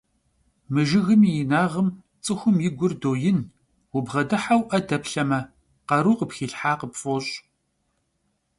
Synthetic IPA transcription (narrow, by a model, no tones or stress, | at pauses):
mɨʒɪɣɨmijɪnaːʁəm | t͡sʼɨxʷʊmjɪɡʷʊrdoːjɪn | wʊbʁɐdɨħawʔɐdɐpɬɐmɐ | qɐɾuːqəpxiːɬħaːqəpfʼoːɕʼ